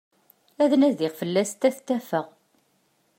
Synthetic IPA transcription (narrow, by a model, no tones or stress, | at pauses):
æðnæðɪʁfəlːæst̪æθt̪ːæfəʁ